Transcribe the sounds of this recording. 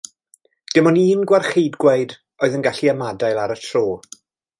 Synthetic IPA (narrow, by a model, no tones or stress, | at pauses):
d̥ɪmɔniːnɡwarχejdɡwejd | ɔɨðənɡaɬiamadajlˠaɾətʰroː